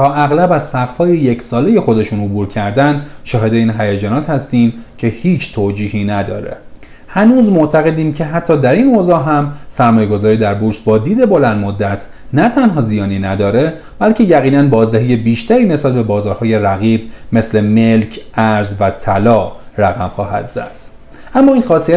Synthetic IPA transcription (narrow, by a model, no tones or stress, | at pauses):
t̪ʰɒːʔæɣlæbæzsæɣfɒːje̞jecʰsɒːle̞je̞xo̞d̪e̞ʃunobuːɾcʰæɾd̪ænʃɒːhe̞d̪e̞iːnɦæjed͡ʒɒːnɒːt̪hæst̪iːmcʰe̞hiːt͡ʃʰt̪ʰoːd͡ʒiːhiːnæd̪ɒ̰ːɾḛ | hænuːzmo̞ʔt̪ʰæɣe̞d̪iːmcʰe̞ɦæt̪ʰːɒːd̪æɾiːnoːzɒːɦæmsæɾmɒːjeɡo̞zɒːɾiːd̪æɾbuɾsbɒːd̪iːd̪e̞bo̞lænd̪mod̪ːæt̪ʰ | næt̪ʰænɦɒːzijɒːniːnæd̪ɒːɾe | b̥ælcʰe̞jæɣiːnænbɒːzd̪eɦiːje̞biːʃt̪æɾiːne̞sbæt̪̚be̞bɒːzɒːɾhɒːje̞ræɣiːb̚me̞sle̞me̞lcʰʔæɾzvæt̪ʰælɒːræɣæmxɒːhæ̰d̪zæ̰d̪̥ | ʔæmːɒːinxɒːsiæ